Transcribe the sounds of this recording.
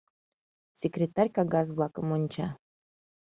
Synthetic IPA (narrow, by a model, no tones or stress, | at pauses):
sʲekrʲet̪arʲkɑɡɑzblˠɑkəmonʲt͡ɕɑ